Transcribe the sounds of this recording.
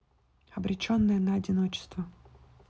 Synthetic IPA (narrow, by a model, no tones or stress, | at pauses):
ɐbɾʲɪt͡ɕonːəjənɐɐdʲɪnot͡ɕɪ̥st̪və